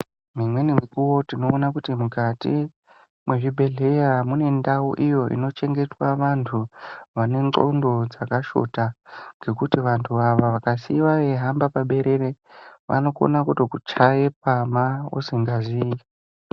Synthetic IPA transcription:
mimwe̞nimikuwo̞tino̞ːnakutimukatḭ | mweʐibʱe̞ɮe̞jamune̞ndauʔijo̞ʔḭno̞t͡ʃe̞ŋɡe̞twaʋantʰuʋane̞nǀo̞̰ndo̞d͡zakaʃo̞̰taŋɡe̞kutiʋantʰuʋaʋaʋakasiʋaʋe̞ɦambapaɓe̞ɾe̞ɾeʋa̰no̞ko̰nakutokut͡ʃaje̞p̚amaṵsiŋɡaʐiːji

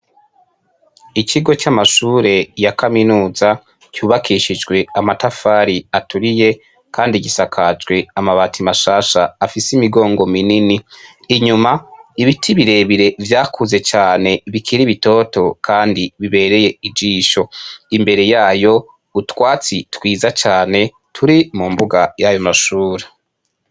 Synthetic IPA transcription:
icʰiɡo̞t͡ʃamaʃuːɾe̞jakaminuːza | cuːβakʰiʃid͡ʒɡwe̞amatafaːɾiatʰuɾije̞ | kʰaːndiɟisakʰad͡ʒɡwe̞amaβatʰimaʃaːʃaːfisimiɡo̞ːŋɡo̞mininiː | ɲumaiβitʰiβiɾe̞βiɾe̞vjaːkʰuze̞t͡ʃaːne̞βikʰiɾiβito̞to̞kʰaːndiβiβe̞ɾe̞je̞id͡ʒiːʃo̞imbe̞ɾe̞jaːjo̞ | utwaːt͡sitwiːzat͡ʃaːne̞ | tʰuɾimumbuɡajajo̞maʃuːɾe

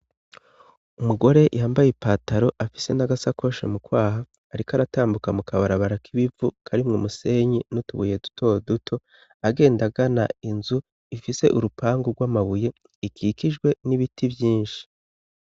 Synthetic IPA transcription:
umuɡo̞ɾe̞jʔaːmbajepaːtaɾo̞ʔafi̥se̞naɡasako̞ʃḛmukwaːɦaː | ɾikaɾataːmbukamukaβaɾaβaɾakʰiβivukʰaɾimŋomuse̞ɲinutuβuːje̞du̥tʰo̞ːdutʰo̞ | aɡe̞ːndaɡana̰inzu | ifise̞̰ʔuɾupaːŋɡoɡwaːmaβuje̞ | ikikiʒɡwe̞niβitʰibjiːnʃi̥

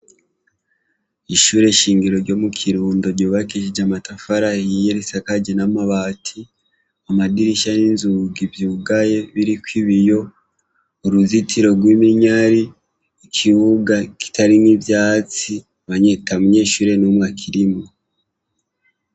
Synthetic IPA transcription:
iʃuːɾe̞ʃiːŋɡiɾo̞ɾɟo̞mukʰiɾuːndoɾɟoːβakiʃid͡ʒamatafaɾahijeɾisakaɟenamaβaːtʰi | amadiɾiʃaninzuɡivjuːɡaje̞βiɾikwiβijo̞ | uɾuzitʰiɾo̞ɡwimiɲaɾiː | kʰiβuɡaki̥tʰaɾinivjaːt͡si | βaɲetamuɲe̞ːʃuːɾe̞numŋakʰiɾimo

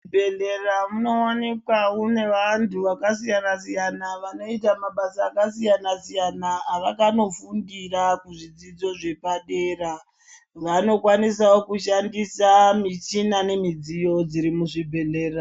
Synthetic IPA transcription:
bʱeɮeramuno̞onekwaune̞ʋantʰuʋakasijanasijanaʋano̞itamaɓasaːkasijanasijanaːʋakano̞fundirakuʐid͡zid͡zo̞ʐe̞paɗeːra | ʋano̞kwanis̬aokuʃandisamit͡ʃinane̞mid͡zijo̞d͡ziɾimuʐibʱe̞le̞ːra

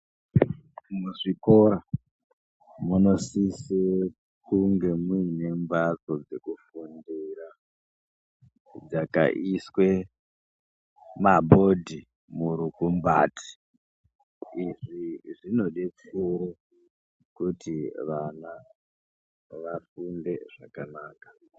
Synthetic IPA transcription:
muʐikoɾa | muno̞sise | kuŋɡe̞muine̞mbat͡so̞d͡ze̞kufundiɾa | d͡zaka̰ʔiswe | mabʱo̞dʱi | muɾukumba̰ːtʰi̥ | iʐiʐino̞ɗep͡fuɾe | kutʰiʋana | ʋafunde̞ʐakanaːkḁ

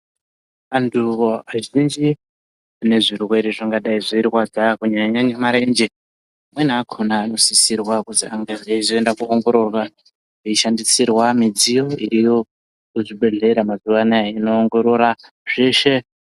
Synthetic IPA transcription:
anduoaʒind͡ʒi | ne̞ʐirwe̞ɾiʐaŋɡaɗaiʐoirwad͡zakuɲaɲanemaɾend͡ʒe | amwenaakʰonaːno̞sisirwakutiaŋɡaʐaizoendakuːŋɡo̞ɾo̞rwa | eiʃandisirwamid͡zijo̞iɾijo̞ | kuʐiɓe̞ɮe̞ɾamazuʋanaaino̞ːŋɡo̞ɾo̞ɾa | ʐ̥eʃe̞

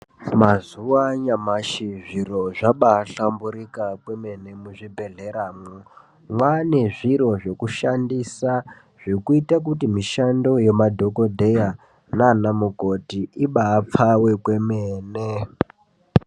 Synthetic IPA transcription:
mazuwaɲamaʃiʐiro̞ʐaɓaːɬambuɾikakwe̞me̞ne̞muʐibʱe̞ɮe̞ɾaːmu | mwane̞ʐiɾo̞ʐe̞kuʃandisa | ʐ̥ikuitak̬utimiʃando̞jemadʱo̞ko̞dʱe̞ja | naːnamuko̞tiiɓaːp͡fawe̞kwe̞meːne

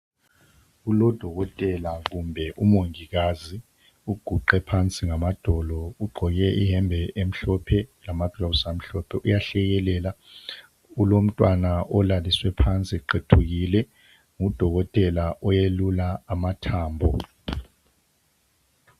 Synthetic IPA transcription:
ulɔd̥ʱɔɣɔtʼɛlaɣumbʱɛʔumoŋiɣazi | uɡ̥ʱuǃɛpʰant͡sʼiŋamad̥ʱɔlɔuɡ͡ǃʱɔɣɛʔiɦɛmbʱɛʔem̩ɬɔpʰɛlamad̥ʱɔβusam̩ɬɔpʰɛʔujaɬɛɣɛlɛːla | ulom̩tʼwanaʔɔlaliswɛpʰant͡sʼiǃetʰuɣilɛ | ŋud̥ʱɔɣɔtʼɛlaʔɔjelulaːmatʰaːmbʱɔ

